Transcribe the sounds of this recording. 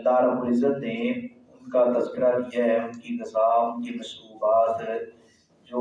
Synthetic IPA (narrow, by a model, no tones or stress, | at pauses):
lːaːɾɦɐbuːɾɪzət̪ne | ʊnkat̪ɐzkɪɾad̪ijaɦɛʊnkinɪzaːmʊkemɐsuːbaːt̪ | d͡ʒoː